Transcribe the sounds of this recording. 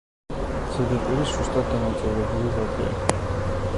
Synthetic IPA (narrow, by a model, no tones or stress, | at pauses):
d̪z̥ɛd̪ap̪ʼiɾisust̪ʼad̪̚d̪ːanamt̪sʼɛɾɛbulivat̪ʼɛ̰a̰